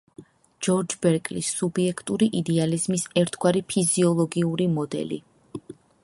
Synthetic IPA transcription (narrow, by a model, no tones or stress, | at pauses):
d͡ʒɔɾd͡ʒbɛɾkʼlisubiɛkʰt̪ʼuɾiʔid̪ɛalizmisɛɾt̪ʰɡwaɾipʰiziɔlˠɔɡiuɾimɔd̪ɛ̰lḭ